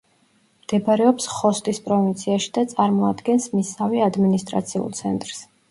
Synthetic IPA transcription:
md̪̥ɛbaɾɛɔpsχɔst̪ʼispʼɾɔvint̪sʰiaʃi̥d̪at̪sʼaɾmɔad̪ɡɛnsmisaviad̪minist̪ʼɾa̰t̪sʰiṵlˠt̪sʰɛ̰nt̪ʼɾs

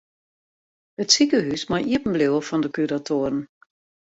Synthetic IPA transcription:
ətsikəɦysmajiəpən̩blewəfɔndəkyɾatʰoəɾən̩

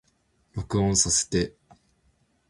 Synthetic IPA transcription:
ɾo̞kɯ̟õɰ̃sase̥t̪e̞

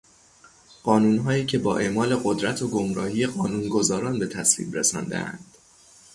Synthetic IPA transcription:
ɢ̥ɒːnuːnɦɒːiːcʰe̞bɒːʔe̞ʔmɒːle̞ɢod̪ɾæt̪ʰoɡo̞mɾɒːhije̞ɢɒːnuːnɡo̞zɒːɾɒːnbe̞t̪ʰæslḭːbɾḛsɒ̰nd̪ḛʔæ̰nd̪̥

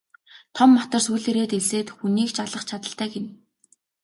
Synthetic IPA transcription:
t̪ʰɔmːat̪ə̆rsuːɮeɾeːt̪eseːt̪xuniːkt͡ɕaɮə̆χt͡ɕʰat̪ə̆ɬt̪æːɡen

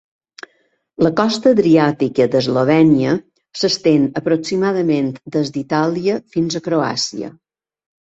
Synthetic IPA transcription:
ləkɔst̪əðɾiat̪ikəd̪əzloβɛniə | səst̪enəpɾoksimaðəment̪d̪əzd̪it̪aliəfinzəkɾoa̰siə̰

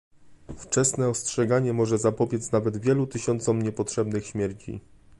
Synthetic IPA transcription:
ft͡ʂɛsnɛɔstʂɛɡaɲɛmɔʐɛzapɔbʲjɛt̪snavɛd̪vʲjɛlut̪ɘɕɔnt̪sɔmɲɛpɔtʂɛbnɘxɕmʲjɛɾt͡ɕḭ

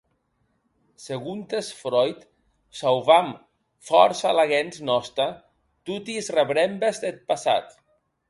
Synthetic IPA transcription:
seɣunt̪esfɾɔjt̪ | sawβam | fɔɾsalaɣenznɔst̪a | t̪ut̪izreβɾembezd̪et̪̚pasa̰t̪

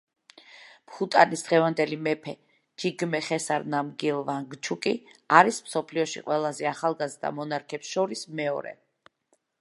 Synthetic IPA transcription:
mχut̪ʼanisd̪̥ʁɛvand̪ɛlimɛpʰɛ | d͡ʒiɡmɛχɛsaɾnamɡilˠvaŋɡt͡ʃʰukʼiaɾismsɔpʰliɔʃḭqʼwɛlˠazɛaχalˠɡazd̪a̰mɔnaɾkʰɛpsʃɔɾismɛɔ̰ɾɛ̰

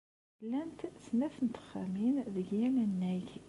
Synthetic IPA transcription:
lːænt̪snæθənt̪ə̥χæ̰minðəɡjænænːæç

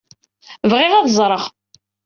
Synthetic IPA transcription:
vʁɪʁæðzˤɾˤəʁ

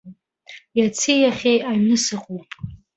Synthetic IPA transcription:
jat͡sʰijaχʲejʔaɥnɨsɨqʼupʼ

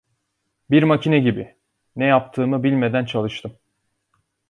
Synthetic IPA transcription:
biɾmacʰinɛɟibɪ | nɛjap̚t̪ʰɯːmɯbilʲme̞d̪ænt͡ʃʰalˠɯʃt̪ʰɯm

